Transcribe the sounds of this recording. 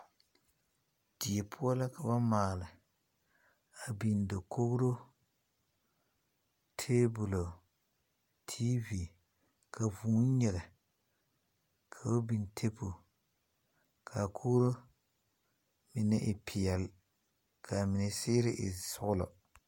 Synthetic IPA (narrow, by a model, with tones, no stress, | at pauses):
d̥i˨ɛ˨pʰʊ˦a˦la˦ka˨ba˦maː˨lɨ˨ | a˨bi˨n˨do˨ko˦ɡɾo˦ | tʰeː˦bʊ˨lo˨ | tʰi˦vi˨ | kʰa˨vuː˨˦ɲɛ˨lɪ˨ | kʰa˨o˦bi˨ntʰe˦pu˨ | kʰa˨kʰo˦ɾo˦ | mɪ˨nɛ˦ʔɪ˨pʰɪ˨ɛ˨l | kʰa˨mɪ˨nɪ˨sɪː˦ɾɪ˦ʔɪ̰˨sʊ˦ɣʊ˦lɔ̰˨